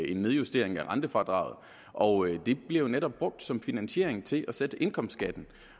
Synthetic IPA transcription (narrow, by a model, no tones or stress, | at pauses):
e̝nːe̝ð̞ˠjusd̥e̝ɐ̰eŋæʁɑ̈nd̥əfɑ̈d̥ʁɑ̰̈ʊð̩ˠ | ʔɒ̽d̥e̝b̥le̝ʊneɾɒ̽b̥̚b̥ʁɔ̽ɡ̥̚d̥sɒ̽mfinænɕe̝̰ɐ̰eŋt͡sʰe̝lʔæsed̥əʔe̝nkʰɒ̽m̰sdɡ̥æd̥n̩